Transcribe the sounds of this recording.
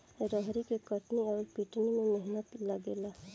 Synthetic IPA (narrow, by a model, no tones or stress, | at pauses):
ɾəɦɾikekəʈniɔːɾpiʈnimẽmɪɦnət̪lɐɡeːlaː